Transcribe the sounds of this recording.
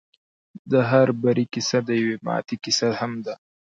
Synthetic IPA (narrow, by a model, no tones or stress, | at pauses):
d̪əɦaɾbaɾikɪsad̪əjawemɑ̰t̪ikɪsahamd̪a